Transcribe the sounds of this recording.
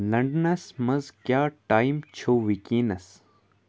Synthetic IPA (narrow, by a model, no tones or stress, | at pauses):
lɐɳɖnɐsmɐzkjaːʈaːimt͡ɕʰoːʋikiːnɐs